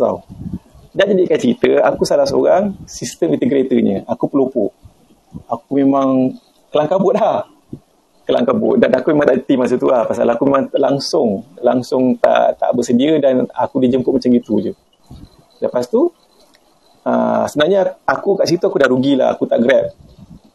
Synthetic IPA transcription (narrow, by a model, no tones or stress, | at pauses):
ta̰w | daʔd͡ʒadiʔkat͡ʃəɾit̪əakusalahsəo̰ɾaŋsist̪əmĩnt̪əɡɾet̪əɲə̰̃akupəlopʊʔ | akumemaŋ | kəlaŋkabʊt̪̚lah | kəla̰ŋkabʊ̰t̪̚danakumemaŋt̪aʔt̪imasət̪ulahpasalakumemãŋlaŋsʊŋla̰ŋsʊŋt̪a̰ʔt̪a̰ʔbəsədiədana̰kudid͡ʒəmpʊt̪̚mat͡ʃamɡit̪utu | ləpast̪u | ə̰səənaɲaakukaʔt͡ʃəɾit̪əakudahɾuɡila̰ha̰kut̪aʔɡɾɛp̪̚